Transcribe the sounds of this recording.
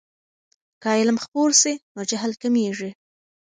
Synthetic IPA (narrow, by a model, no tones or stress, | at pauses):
kɑjelamxpoɾsinod͡ʒaɦlkameʐi